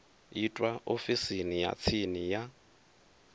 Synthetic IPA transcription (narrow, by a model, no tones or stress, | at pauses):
itʼwaofisinija̰t͡sʰinija